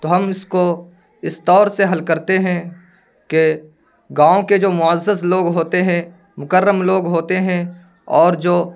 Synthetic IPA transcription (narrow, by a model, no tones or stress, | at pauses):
t̪oːɦɐmɪsko | ɪst̪ɔːɾseɦɐlkɐɾt̪eɦɛ̃ | ke | ɡãːõked͡ʒoːmʊəzːəsloːɡɦoːt̪eɦɛ̃ | mʊkəɾːəmloːɡɦoːt̪eɦɛ̃ | ɔːɾd͡ʒoː